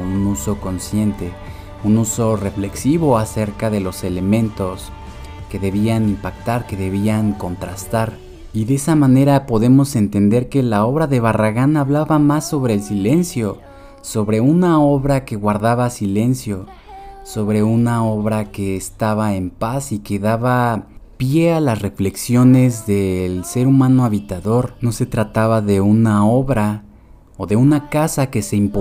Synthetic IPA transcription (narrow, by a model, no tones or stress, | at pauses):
unuso̞ko̞nsje̞nt̪e̞ | unuso̞re̞fle̞ksiβo̞ase̞ɾkaðe̞lo̞se̞le̞mẽ̞nt̪o̞s | ke̞ðe̞βianimpakt̪aɾke̞ðeβ̞iaŋko̞nt̪ɾast̪aɾ | iðesamãne̞ɾapo̞ðe̞mo̞se̞nt̪e̞nd̪e̞ɾke̞lao̞βɾaðe̞β̞araɣanaβlaβamasːo̞βɾe̞ːlsile̞nsjo̞ | so̞βɾe̞unao̞βɾake̞ɣwaɾðaβasile̞nsjo̞ | so̞βɾe̞unao̞βɾake̞ːst̪aβae̞mpasike̞ðaβapje̞alasre̞fle̞ksjo̞ne̞zðe̞lse̞ɾumãno̞aβit̪aðo̞ɾno̞se̞t̪ɾat̪aβaðe̞unao̞βɾa | oðe̞unakasake̞se̞impo